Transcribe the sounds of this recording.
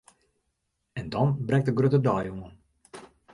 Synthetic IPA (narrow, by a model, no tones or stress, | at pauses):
ɛndɔnbrɛk̚təɡrøtədɔjuŋən